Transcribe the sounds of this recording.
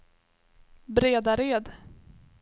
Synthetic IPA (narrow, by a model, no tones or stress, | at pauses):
bɾeːd̪aɾeːd̪